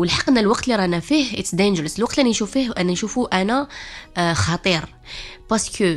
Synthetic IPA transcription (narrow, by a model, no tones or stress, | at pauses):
wəlħɑqːənːælwɑqt̪liɾˤɑnæfihət̪sd̪ænʒəɾəslwɑq̚t̪liʔænænʃufihʔænænʃufuʔænæ | xɑt̪ˤiɾ | bɑskə